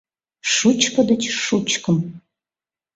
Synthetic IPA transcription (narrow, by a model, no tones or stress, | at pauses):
ʂut͡ʃʰkʰɐd̪ɐt͡ʃʰʂut͡ʃʰkʰɨm